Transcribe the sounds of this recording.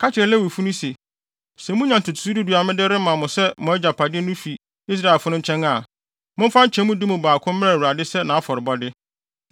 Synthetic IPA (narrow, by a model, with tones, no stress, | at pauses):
kʰa˦t͡ɕʰɪ˨ɾɛ˨lɛ˦wi˨fu˦nũ˦se˨ | sɛ˨mũ˦ɲã˨n˨tʰʊ˨tʰʊ̥˨su˦dɪ˦du˨a˨mɪ̃˦dɪ˦ɾɪ˦mã˨mʊ̃˨sɛ˦mʊ̃˨ɛ˦d͡ʑa˨pʰa˨dɪ˦nũ˦fi˨ | i˦s̬ɾa˦˨ɛ˨lfʊ˦nʊ̃˦ɲ̩˦t͡ɕʰɛ̃˦ŋa˦˨ | mʊ̃˦m̩˦fã˦ɲ˦t͡ɕʰɛ̃˨˦mʊ̃˦dɪ˦mũ˨baː˨kʰʊ̃˦mm˦ã˦˨wu˨ɾa˨dɪ˦sɛ˦nã˨a˦fɔ˨ɾɪ˨bɔ˦dɪ˦